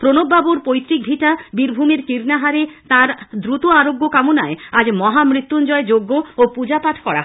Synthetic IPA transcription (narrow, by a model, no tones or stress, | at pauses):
pɾonobːabuɾpojt̪ːɾik̚bʱiʈabiɾbʱumeɾkiɾnaɦaɾet̪aɾd̪ɾut̪oaɾoɡːokamonaead͡ʑmɔɦamɾit̪ːund͡ʑɔed͡ʑoɡːoopud͡ʑapaʈʰkɔɾa̰